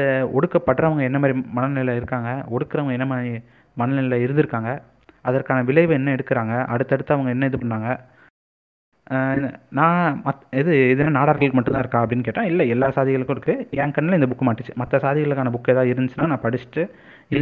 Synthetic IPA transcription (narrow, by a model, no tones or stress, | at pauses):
ɔɽɯkːɐpːɐʈːɾɐʋɐŋɡɐɛnːɐmaːd̪ɾimɐnɐnɪlɐɪɾɯkːaːŋɡɐɔɽɯkːɯɾɐʋɐŋɡɐɛnːɐmaːi | mɐnɐlɪlɐɪɾɯnd̪ɪɾɯkːaːŋɡɐ | ɐðɐɾkaːnɐʋɪlɐɪʋɯɛnːɐɛɽɯkːɯɾaːŋɡɐʔɐɽɯt̪ːɐɽɯt̪ːɐɐʋɐŋɡɐɛnːɐɛðɯpɐɳɾaːŋɡɐ | nãːmɐɪðɯɪðɐnaːnaːɽaːɾɣɐɭɯkːɯmɐʈːɯnd̪ãːɪɾɯkːãːɐpɐɽɪnːɯkeːʈːãːɪlːɐɛlːaːsaːðɪɣɐɭɯkːʊ̃ɪɾɯkːɯɛŋkɐnːɐlɐɪnd̪ɐbʊkːɯmaːʈːɯt͡ʃːɯ̥mɐt̪ːɐsaːðɪɣɐɭɯkːaːnɐbʊkːɯɛðaːɪɾɯnd̪ɯt͡ʃːɯnːaːnãːpɐɽɪt͡ʃːɯ̥ʈːɯ | ɪlː